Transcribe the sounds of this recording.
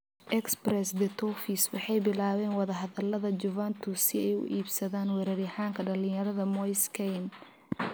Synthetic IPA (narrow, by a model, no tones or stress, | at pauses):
ʔɛksprɛsd̪ɛt̪ʰɔfiswɑħɑjbɪlaːβɛːnwɑðɐɦɐðɐlɐðɐd͡ʒʊvant̪ʰusɪɛjʊ̰ʔiːbsɐðaːnwɛɾɛɾɪħaːŋkʰɐɐlɪ̃jɐɾɐðɐmɔjskʰɛjn